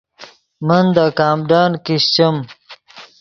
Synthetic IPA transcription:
mənd̪akaːmɖaːnkiɕt͡ɕəm

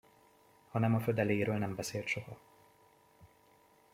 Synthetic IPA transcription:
hɒnɛmɒfød̪ɛleːjɾøːlnɛmbɛseːlt̪ʃo̞hɒ

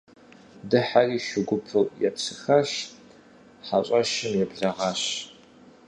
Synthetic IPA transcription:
dɨħariːʃʊɡʷʊpʰɨljɛpsɨxɐɕ | ħaɕʷʼɐʃɪmjɛbɮɐʁɑɕ

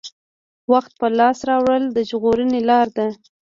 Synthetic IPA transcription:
waxt̪̚pəlɑsɾɑwɽəld̪əʒɣoɾənelɑɾd̪a

